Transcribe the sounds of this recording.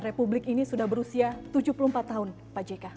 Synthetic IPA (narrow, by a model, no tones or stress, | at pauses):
republɪkinisudahbəɾusiat̪ud͡ʒupuluhmpat̪ːaɦʊn | pad͡ʒeka